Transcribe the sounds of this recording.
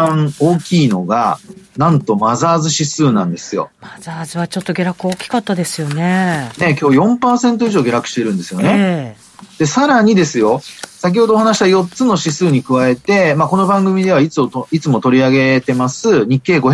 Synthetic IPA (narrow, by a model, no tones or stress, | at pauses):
ãɴo̞ːkʲiːno̞ɡa̰nãnt̪o̞mazaːzɨɕisɨːnã̰nd̪e̞sɨjo̞̰mazaːzɨβat͡ɕo̞t̪ːo̞ɡʲeɾakɯ̟oːkʲi̥kat̪ːad̪e̞sɨjo̞nene̞k̬ʲo̞ːjõ̞mpaːsẽ̞nt̪̬o̞iʑo̞ːɡʲe̞ɾakɯ̟̥ɕi̥t̪e̞ɾɯ̟̃nd̪e̞sɨjo̞ne̞ | d̪̥e̞saɾaɲ̟id̪e̞sɨjo̞sak̬ʲiho̞d̪oːɦhanaɕi̥t̪ajo̞tt͡sɨno̞ɕisɨːɲ̟ikɯ̟βae̞t̪e̞mako̞no̞bãŋɡɯ̟mʲid̪e̞β̞ait͡sɨot̪oit͡sɨmo̞t̪o̞ɾʲiaɡe̞t̪e̞masɨɲ̟ikːe̞ːɡo̞ç